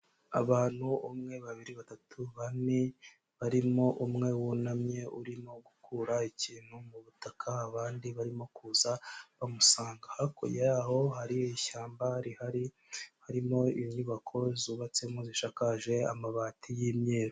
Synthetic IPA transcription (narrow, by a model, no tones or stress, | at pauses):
a̰βaːn̥huumŋe̞βaβiɾiβatatʰuβane | βaɾimo̞ʔumŋe̞wunamɲe̞uɾimo̞ɡukʰuɾaiciːn̥humuβutakʰaːβaːndiβaɾimo̞kuːzaβamusaːŋɡahakʰo̰jaho̞ɦaɾiiçaːmbahɾihaɾi | haɾimo̞iɲuβakʰo̞zuːβat͡se̞muziʃakaʒe̞a̰maβaːtʰijiːmɲeːɾo